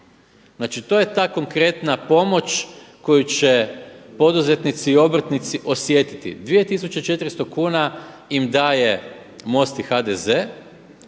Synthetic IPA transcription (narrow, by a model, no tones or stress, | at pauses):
znaːt͡ʃit̪o̞je̞t̪aːko̞ŋkɾe̞t̪napo̞mo̞t͡ʃ | ko̞jut͡ɕepo̞d̪uze̞t̪nit̪siio̞bɾ̩t̪nit̪siʔo̞sje̞t̪i̥t̪ḭd̪ʋije̞t̪is̬ut͡ʃet͡ʃe̞t̪ɾist̪o̞kuːna | imd̪aːje̞ | mo̞st̪ixad̪eze